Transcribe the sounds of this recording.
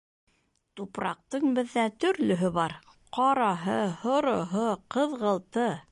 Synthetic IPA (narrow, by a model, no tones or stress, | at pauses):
t̪upɾɑ̰q̚t̪ɤɴbɘ̆ðːæt̪ɵ̆ɾlɵ̆ɦɵβɑɾ | qɑɾɑɦɤhŏɾŏɦoqɤ̆ðʁɤ̆lˠt̪ɤ